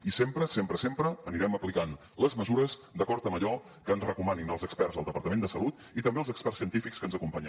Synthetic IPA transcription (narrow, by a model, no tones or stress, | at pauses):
isempɾəsempɾəsempɾəːniɾɛməplikan | ləzməzuɾəzd̪əkɔɾt̪əməʎɔ | kəːnzrəkumaninəlˠzəkspɛrzəlˠd̪əpəɾt̪əmend̪əsəlut̪ | it̪əmbeəlˠzəkspɛrsiənt̪ifikskənzəkumpaɲə